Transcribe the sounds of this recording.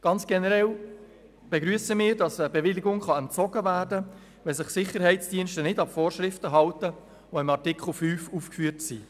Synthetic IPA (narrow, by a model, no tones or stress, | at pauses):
ɡ̥ɑnt͡sɡ̥ɛnəɾɛl | b̥ɛɡɾyəsəmɪːɾdɑsəbɛvɪlɪɡʊŋχɑɛnt͡sɔɡ̥əvæːrdə | vɛlsɪχsɪχəɾɦɛɪt͡sd̥iənʃtənɪdɑpfoːrʃʁɪftəɦɑltə | ʋoɪmɑrtɪkχl̩fyːfuːfkfyəɾtsi